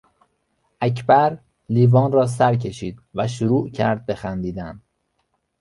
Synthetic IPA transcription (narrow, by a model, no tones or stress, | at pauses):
ʔæcʰbæɾ | liːvɒːnrɒːs̬æɾcʰe̞ʃiːd̪̥væʃ̬uɾuːʔcʰæ̰ɾd̪̚be̞xænd̪iːd̪æn